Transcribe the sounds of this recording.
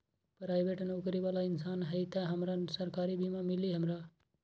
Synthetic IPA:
pɾaːjbʱeʈənukɾibalaɪnsaːnɦəjt̪aɦəmɾasəɾkaːɾibʱimãmiliɦəmɾa

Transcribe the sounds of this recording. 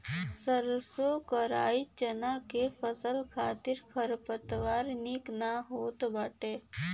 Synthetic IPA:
səɾsokəɾa̰it͡ʃənakefəsəlkʰat̪iɾkʰəɾpət̪ʋaɾniknaɦoːt̪baːʈe

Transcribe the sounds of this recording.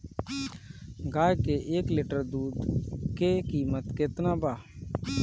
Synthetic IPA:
ɡaːjkeʔeːklɪːʈəɾd̪uːd̪kekiːmət̪kɪt̪naːbaː

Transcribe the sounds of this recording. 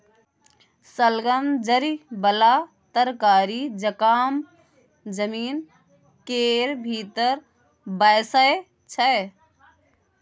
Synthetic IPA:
səlɡəmd͡ʒəɾibəla | t̪əɾkaːɾid͡ʒəkaːm | d͡ʒəmiːn | keːɾbʱiːt̪əɾ | bɐjsaj | t͡ʃʰəj

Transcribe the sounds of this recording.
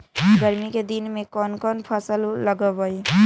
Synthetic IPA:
ɡəɾmiked̪inmẽkɔːnkɔːnpʰəsəlːəɡəɦoi

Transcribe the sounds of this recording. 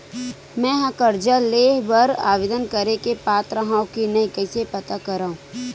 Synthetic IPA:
mɛ̃ːɦakəɾd͡ʒaleːɦbɐɾa̰ːʋed̪ənkɐɾekepaːt̪ɾəɦãːõkinɐĩkɐːsepɐt̪akɐɾaːũː

